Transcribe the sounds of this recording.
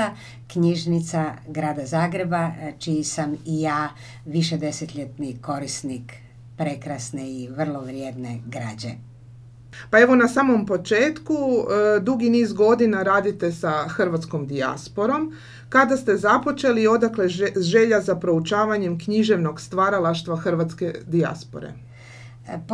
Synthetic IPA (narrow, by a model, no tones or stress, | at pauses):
a | kɲiʒnit̪saɡɾaːd̪azaːɡɾe̞bat͡ʃijisamijaː | ʋiʃed̪e̞set̪ʎet̪niko̞ɾisnik | pɾe̞kɾasneiʋr̩lˠoʋɾjed̪neɡɾa̰ːd͡ʑḛ | pae̞ʋo̞nasaːmo̞mpo̞t͡ʃe̞ːt̪kud̪uɡiniːzɡo̞d̪inaɾaːd̪it̪e̞saxr̩ʋat̪sko̞md̪ia̰spo̞ɾo̞m | kad̪ast̪e̞zapo̞t͡ʃe̞lio̞d̪akle̞ʒe̞ʎazapɾo̞ut͡ʃaːʋaɲemkɲiʒe̞ʋno̞ɡst̪ʋaɾalaʃt̪ʋaxr̩ʋat̪ske̞d̪ia̰spo̞̰ɾḛ